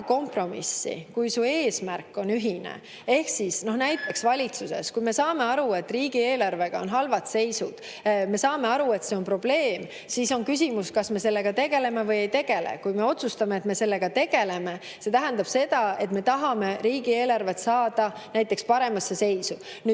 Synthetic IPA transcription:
ko̞mpro̞mḭsːḭkujsuːe̞ːsmærkːo̞nyɦinḛ | e̞hksisno̞hnæjt̪ːˑe̞ksvɑlʲit̪suse̞̰skujme̞sɑːme̞ɑɾue̞t̪ːˑriːɡ̥ie̞ːlɑrve̞ɡ̥ɑo̞̰nɦɑlvɑt̪se̞jsud̪̥ | me̞sɑːme̞ɑɾue̞t̪seo̞npro̞b̥le̞ːm | siso̞nkys̬ʲimuskɑsme̞se̞lːe̞ɡ̥ɑt̪e̞ɡ̥e̞le̞me̞vɤje̞jt̪e̞ɡ̥e̞lḛkujme̞o̞t̪sust̪ɑmeːt̪me̞se̞lːe̞ɡ̥ɑt̪e̞ɡ̥e̞le̞me̞ | se̞t̪æɦænd̪̥ɑb̥se̞d̪̥ɑe̞t̪me̞t̪ɑɦɑme̞ɾiːɡ̥ie̞ːlɑrve̞t̪sɑːd̪̥ɑnæjt̪ːˑe̞kspɑɾe̞mɑsːe̞se̞jsu | ny

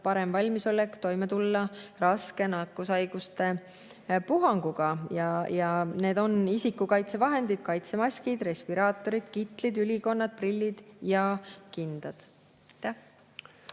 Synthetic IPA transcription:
pɑɾe̞mvɑlʲmiso̞lːekt̪o̞jmet̪ulːɑrɑske̞nɑkːˑusɑjɡ̥ust̪e̞ | puɦɑŋɡ̥uɡ̥ɑjɑjɑne̞ːd̪o̞nisikːˑukɑjt̪se̞vɑɦe̞nd̪id̪̥kɑjt̪se̞mɑsʲkid̪̥re̞spiɾɑːt̪ːˑo̞ɾid̪̥kit̪ˑlid̪ylʲiko̞nːɑd̪̥̚prilʲːid̪̥jɑkind̪̥ɑd̪̥ | jt̪ːæh

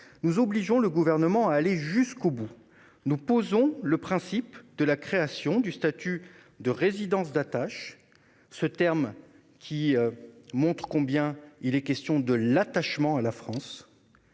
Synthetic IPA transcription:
nuzɔbliʒɔ̃ləɡuvɛʁnəmɑ̃aːleʒyskobu | nupozɔ̃ləpχɛ̃sipd̪əlakχeasjɔ̃d̪yst̪at̪y | d̪əʁezid̪ɑ̃sd̪at̪aʃ | sət̪ɛʁm | kʲʰi | mɔ̃t̪χə̥kɔ̃bjɛ̃ilɛkʲɛst̪jɔ̃d̪əlat̪aʃmɑ̃alafχɑ̃s

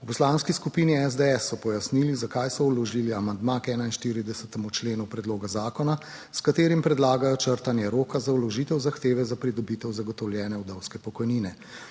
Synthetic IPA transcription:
upɔslanskiskupiːniɛzd̪eɛsːɔpɔjasnilizakajsɔulɔʒiːliamand̪makɛːnainʃt̪iɾid̪ɛsɛt̪ɛmut͡ʃleːnupɾɛd̪loːɡazaːkɔna | skat̪eːɾimpɾɛd̪laːɡajɔt͡ʃəɾt̪anjɛɾoːkazawlɔʒiːt̪ɛwzaxt̪eːʋɛzapɾid̪ɔbit̪ɛwzaɡɔt̪ɔwljɛːnɛwd̪ɛwskɛpɔkɔjninɛ

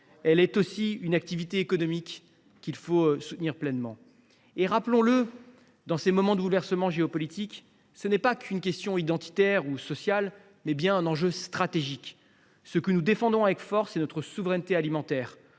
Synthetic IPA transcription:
ɛlɛt̪osiynak̚t̪ivit̪eːkɔnɔmikːʲ | ilfosut̪niʁplɛnmɑ̰̃ | eʁaplɔ̃lə | d̪ɑ̃semɔmɑ̃d̪əbulvɛʁsəmɑ̃ʒeɔpɔlit̪ik | sənɛpakʰynkʲɛst̪jɔ̃id̪ɑ̃t̪i̥t̪ɛʁusɔsjal | mɛbjɛ̃ɛ̃nɑ̃ʒøst̪χat̪eʒik | səkənud̪efɑ̃d̪ɔ̃avɛkfɔʁsenɔt̪χəsuvʁɛnt̪ealimɑ̃t̪ɛːʁ

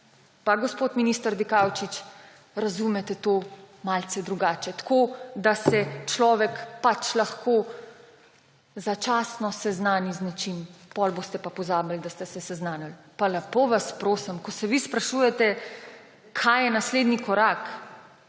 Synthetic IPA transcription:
paɡospot̪minist̪əɾd̪ikawt͡ʃit͡ʃ | ɾazumɛt̪ɛt̪oː | malt̪sɛd̪ɾuɡaːt͡ʃɛt̪koːd̪asɛt͡ʃlɔːʋɛkpat͡ʃlaxkʰo | zat͡ʃaːsnɔsɛznaːniznat͡ʃimpɔlboːst̪ɛpapɔzaːbald̪ast̪ɛsɛsɛznaːnal | palɐpoʋaspɾoːsəmkɔsɛʋispɾaʃuːjɛt̪ɛ | kʰajjɛnasleːd̪nikɔɾak

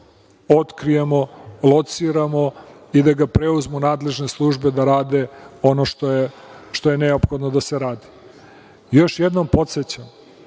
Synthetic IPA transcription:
o̞t̪kɾijemo̞lˠot̪siɾamo̞ | id̪aɡapɾeuzmunaːd̪le̞ʒne̞slˠuʒbe̞d̪aɾaːd̪e̞o̞noʃt̪oje | ʃt̪o̞jeneopxo̞d̪nod̪ase̞ɾaːd̪i̥ | jo̞ʃjed̪nompo̞t̪se̞t͡ɕam

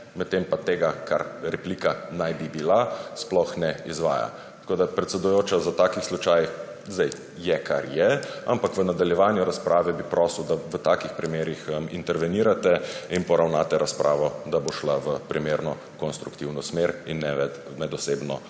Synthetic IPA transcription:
mɛt̪t̪ːempat̪eːɡakʰaɾɾɛpliːkanajbibilasplɔxnɛizʋa̰ːja̰ | t̪koːd̪apɾɛt̪sɛd̪ujoːt͡ʃazat̪aːkixslut͡ʃaj | zd̪ɛj | jɛkʰa̰ɾjɛa̰mpakʋənad̪aljɛʋaːnjuɾaspɾʔaːʋɛbipɾɔsuwd̪aʋət̪aːkixpɾimeːɾixəmḭnt̪ɛɾʋɛniːɾat̪ɛinpɔɾawnaːt̪ɛɾaspɾʔaːʋɔd̪aboʃlaʋəpɾimeːɾnɔ | kɔnst̪ɾukt̪iwnɔsmeɾinːɛɛ | mɛd̪ɔseːbnɔ

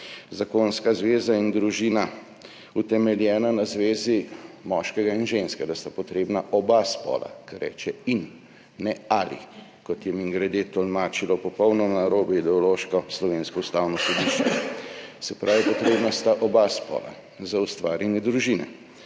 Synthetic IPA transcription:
zakonskazʋeːzaind̪ɾuʒiːna | ut̪ɛmɛljɛːnanazʋeːzimɔʃkɛɡainʒeːnskɛd̪ast̪apɔt̪ɾeːbnaʔɔbaspɔ̰ːla̰kaɾːɛ̰ːt͡ʃɛinː | ɛalḭ | kɔt̪jɛmiŋɡɾɛd̪et̪ɔlmaːt͡ʃilɔpɔpɔwnɔmnaɾoːbɛid̪ɛɔloːʃkɔslɔʋeːnskɔust̪aːwnɔsɔd̪iːʃt͡ʃɛ̰ | sɛpɾʔaːwʋipɔt̪ɾeːbnast̪aʔɔbaspɔ̰ːla̰ | zaust̪ʋaːɾjɛnjɛd̪ɾuʒinɛ̰

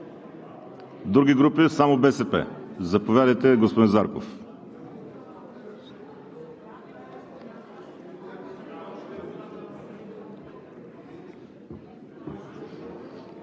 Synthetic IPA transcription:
d̪ɾuɡʲiɡɾupisamobɛsɛpɛ̰zɐpovʲjad̪ɐjt̪ɛɡospod̪inzaɾko̰f

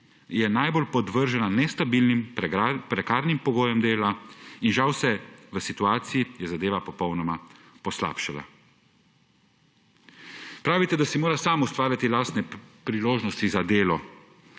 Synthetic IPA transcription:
jɛnajbolpɔd̪ʋəɾʒananɛst̪abilnimpɾɛkaːɾnimpɔɡoːjɔmd̪eːlainʒawsɛʋəsit̪uaːt̪sijijɛzad̪eːʋapɔpɔwnɔma | pɔsla̰ːpʃala̰ | pɾaːʋit̪ɛd̪asimoːɾasaːmust̪ʋaːɾjat̪ilaːst̪nɛpɾiloːʒnɔst̪izad̪eːlɔ

